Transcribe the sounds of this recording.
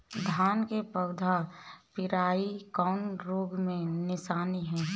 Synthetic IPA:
d̪ʱaːnkepəɡd̪ʱapɪɾaːikɔʊnɾoːɡmẽnɪsaːniɦɛ̃ː

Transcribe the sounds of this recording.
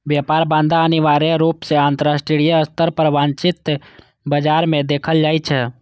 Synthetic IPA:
ʋjaːpaːɾbãːnd̪ʱaəniʋaːɾeɾuːpseãːnt̪əɾaːsʈɾiieəst̪əɾpəɾʋãːnt͡ʃɪt̪ | bəd͡ʒaːɾmẽd̪eːkʰəld͡ʒaːit͡ʃʰɛ

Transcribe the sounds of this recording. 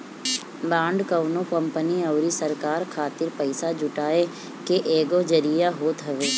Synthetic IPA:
bãːɳɖkəʋnõkə̃mpəniɐʊɾisəɾkaːɾkʰaːt̪ɪɾpəɪsad͡ʒʊʈaːe | keʔeːɡod͡ʒəɾijaɦoːt̪ɦəʋeː

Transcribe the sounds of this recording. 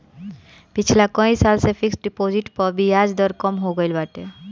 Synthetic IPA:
pɪt͡ʃʰlakə̃ĩsaːlsefʰɪksɖɪpoːzɪʈpəɾbʱiaːd͡ʒd̪əɾkəmɦoɡəɪlbaːʈ̪e

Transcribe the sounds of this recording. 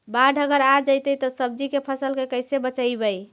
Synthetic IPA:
baɖʱəɡəɾad͡ʒəjt̪əjt̪ɔsəb̚d͡ʒikepʰəsəlkekəjsebət͡ʃəjbəj

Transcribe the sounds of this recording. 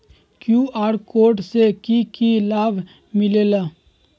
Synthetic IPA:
kjuːaːɾkoːʈsekikilaːbʱ | mɪlelaː

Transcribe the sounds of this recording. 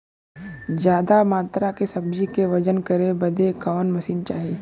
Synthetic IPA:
d͡ʒjaːd̪amaːt̪ɾakesɐb̚d͡ʒikeʋɐd͡ʒənkəɾebɐd̪ekaːnmɐsiːnt͡ʃaːɦieː

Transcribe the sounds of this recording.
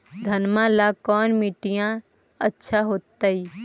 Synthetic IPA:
d̪ʱənmãlakɔːnmiʈijã | ətːʃʰaɦoːt̪ːai

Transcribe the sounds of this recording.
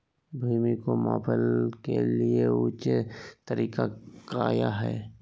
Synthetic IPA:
bʱiːmikoma̰ːpʰəlkelieuːt͡ʃet̪əɾiːkakaːja̰ɦɛ̰ː

